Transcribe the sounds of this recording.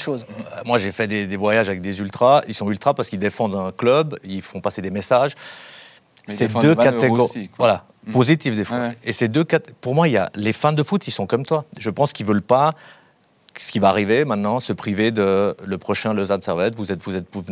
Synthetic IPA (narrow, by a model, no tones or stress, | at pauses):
ʃozmwaʒefɛd̪ed̪evwajaʒavɛk̚d̪ezylt̪χailsɔ̃ylt̪χapaʁsə̥kild̪efɑ̃d̪ɛ̃klœbilfɔ̃pased̪emesaʒ | sed̪økaeɡɔvwala | pozit̪ifd̪efiesed̪økat̪puʁmwailja̰lefɛ̃d̪əfut̪isɔ̃kɔmt̪waʒəpɑ̃skʲilvəlpa | sə̥kʲivaːʁivemɛ̃t̪nɑ̃səpχived̪ələpχɔʃɛ̃ləzad̪sɛʁvɛt̪vuzɛt̪vuzɛt̪̚puv